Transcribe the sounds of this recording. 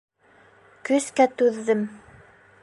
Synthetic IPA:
kɵ̆skæt̪ʉðːɘm

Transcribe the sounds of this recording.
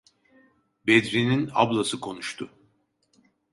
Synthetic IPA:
bed̪ɾinina̰blˠasɯkʰo̞nuʃt̪ʰʊ

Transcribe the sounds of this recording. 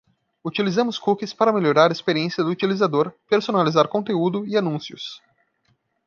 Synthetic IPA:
ut͡ʃilizɐ̃mʊskukɪspaɾɐmeʎoɾaɾɐespeɾiẽsiɐd̪ʊut͡ʃilizad̪oɾpeɾsonalizaɾkõnt̪eud̪ʊɪanũsiʊ̰s

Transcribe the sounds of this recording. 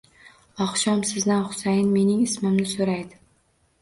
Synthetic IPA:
ɒχʃɒmsɪzd̪anχʊ̥sajɪnme̞nɪŋɪsmɪmnɪsoɾajd̪ɪ

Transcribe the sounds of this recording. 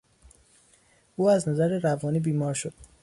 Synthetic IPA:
ʔuːæznæzæɾeɾævɒːniːbiːmɒːɾʃod̪̥

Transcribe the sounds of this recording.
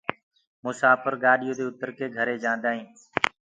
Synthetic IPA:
mʊsaːpəɾɡaːɗɪjõːd̪eːʊt̪əɾkeːɡʱəɾeːd͡ʒãːnd̪aːɦĩː

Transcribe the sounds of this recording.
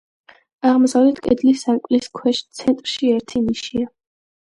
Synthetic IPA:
aʁmzavlɛt̪ʰkʼɛ̰d̪lisamkʼliskʰwɛʃt̪sʰɛnt̪ʼɾʃiɛɾt̪ʰiniʃia

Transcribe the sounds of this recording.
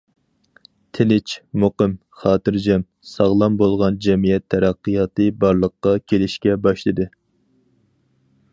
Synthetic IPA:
t̪ʰɪnɪt͡ʃʰmoqəm | χɑːt̪ɨɾd͡ʒɛm | sɑʁlˠɑmbolˠʁɑnd͡ʒɛmijɛt̪ʰːɛɾæqːijɑːt̪ɨbɑɾlˠəqːɑkʲʰelɪʃkʲɛbɑʃlˠɨd̪ɨ

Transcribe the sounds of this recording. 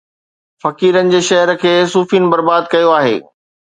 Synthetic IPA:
fɐkiːɾənɪ̆d͡ʑeːʃɐɦəɾə̆kʰeːsuːfiːnɪ̆bɐɾbaːd̪̚kɐjoaːɦḛː

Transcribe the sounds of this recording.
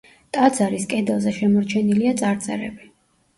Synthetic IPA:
t̪ʼad̪zaɾiskʼɛd̪ɛlˠzɛʃɛmɔɾt͡ʃʰɛniliat̪sʼaɾt̪sʼɛ̰ɾɛ̰bi

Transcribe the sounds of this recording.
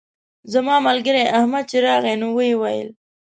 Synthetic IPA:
zamɑmalɡəɾeʔahmad̪̚t͡ʃeɾɑɣenuwəjwajə̰l

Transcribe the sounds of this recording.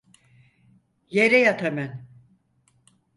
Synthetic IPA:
jeɾɛjat̪ʰamæn

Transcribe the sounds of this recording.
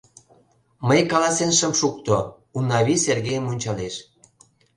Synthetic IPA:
məjkɑlɑsenʃəmʃuk̚t̪o | unːɑβiserɣejəmonʲt͡ɕɑleʃ

